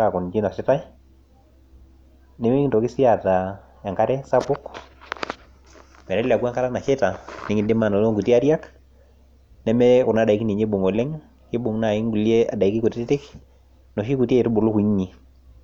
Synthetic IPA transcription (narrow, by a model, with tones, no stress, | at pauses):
a˨kʊ˨nd͡ʒi˦na˨sɪ˦ta˦ɪ | nɪ˦mɪ˦ntɔ˨kɪ˦si˦a˨ta˨ | ja˨ŋka˦ɾɛ˦sa˦pʊ˦k | mɛ˨ɾɛ˦lɛ˨a˨kwa˦ŋka˦ɾa˦na˨ʃɛta˨nɪ˨˦ŋɪ˨dɪ˦ma˨nɔ˨lo˦ŋɡu˨ta˦ɾja˦k | nɛ˦mɛ˦kʊ˨na˦da˨i˦kni˨ɲe˦bo˨ŋɔ˨lɛ˦ŋ | kɪ˦bʊ˨ŋna˨ɪ˦ŋɡu˨lje˦a̰˨da˨i˦ki˦ku˨tɪ˦tɪ˦tɪ˦k | nɔ˨ʃi˦ku˨te˦˨tu˦bʊ˨lʊ˦ku˨i˦ɲːi˨